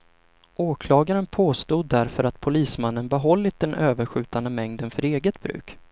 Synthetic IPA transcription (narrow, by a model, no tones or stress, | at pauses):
ʔoːkʰlɑːɡaɾənpʰoːst̪uːd̪ːæɾfœɾat̪pʰʊliːsmanːənbɛɦɔlːɪt̪̚d̪ɛnʔøːvəɾɧʉ̟ːt̪and̪əmɛŋd̪ənfœɾeːɡət̪bɾʉ̟̰ːk